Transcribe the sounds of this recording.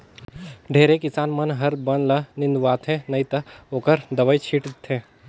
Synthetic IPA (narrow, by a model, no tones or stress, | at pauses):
ɖʱeːɾekɪsaːnmɐnɦɐɾbɐnlɐnɪ̃nd̪uʋaːt̪ʰɛ̃ːnɐit̪ɐoːkəɾd̪ɐʋəit͡ʃʰiːʈt̪ʰːẽː